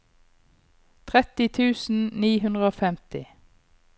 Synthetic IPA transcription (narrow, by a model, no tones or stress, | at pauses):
t̪ʰʁɛt̪ɪt̪ʰʉːsn̩niːhʉnd̪ʁəoːfɛmt̪ɪ